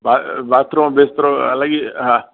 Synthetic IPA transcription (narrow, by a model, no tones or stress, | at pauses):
babaːt̪ɾõbest̪ɾoɐ̰laɡiɦã